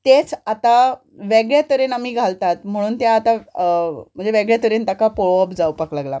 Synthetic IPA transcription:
t̪et͡sat̪a | ʋeɡɭjat̪əɾenamiːɡʱalt̪at̪m̤əɽ̃uːnt̪jaːt̪a | m̤əɳd͡zeʋeɡɭjat̪əɾeːnt̪akapoɭoəpd͡zawpəklaɡla

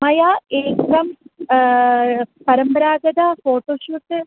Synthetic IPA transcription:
mɐjaːeːkɾɐm | pɐɾɐmbɐɾaːɡɐd̪ɐfoːʈːoːʂuːʈːɨ

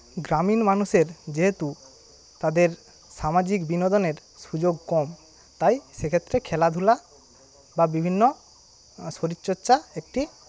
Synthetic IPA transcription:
ɡɾaminmanuseɾd͡ʒeɦet̪u | t̪ad̪eɾ | samad͡ʑikbinod̪oneɾsud͡ʒoɡ̚kɔm | t̪ajsekʰet̪ːɾekʰɛlad̪ʱula | babibʱinːo | soɾitːt͡ʃotːʃaek̚ʈi

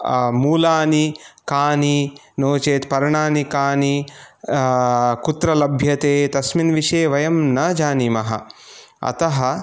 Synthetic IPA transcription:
muːlaːnikaːni | noːt͡ʃeːt̪pɐɾɐɳaːnikaːni | kut̪ɾɐlɐbʱjɐt̪eːt̪ɐsminʋiʃeːʋɐjɐmnɐːd͡ʒaːnimɐɦɐ̰ | ɐ̰t̪ɐɦɐ̆

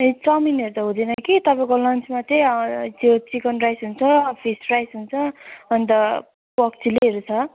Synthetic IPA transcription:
t͡sʌmineɾut̪ʌɦũd̪ʌnʌkit̪ʌpãjkolʌnt͡smat̪ʰet͡sot͡sikʌnrajsɦunt͡sʰʌpʰisprajsɦunt͡sʰʌʌnit̪ʌ | pʌkt͡sileɦeɾut͡sʰʌ

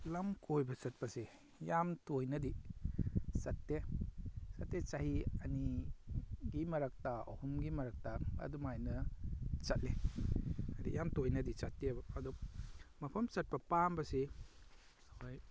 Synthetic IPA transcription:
lɐmkʰojbɐsɐt̚pɐsi | jamtojnɐdi | sɐtːe | sɐtːet͡ʃahiɐni | ɡimɐɾɐk̚tao̰humɡimɐɾɐk̚taɐ̰dumajnɐt͡ʃɐt̚le | adḭjamtojnɐdisatːiebɐɐdɔmɐpʰɐmsɐt̚pɐpambɐsi | aj

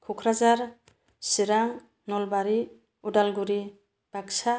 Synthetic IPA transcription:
kʰukʰɾazaɾ | siɾaŋ | nɔlbaɾi | uɖalɡuɾi | b̥ʱaksa

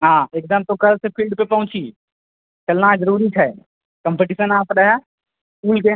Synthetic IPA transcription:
ɦãːeːk̚d̪əmt̪okɐlsepʰilɖpepɐɦʊ̃t͡ʃi | t͡ʃɐlnad͡ʒəɾuːɾit͡ʃʰɛ | kə̃mpeʈiːsənaːpɾəɦɛ | kuːlke

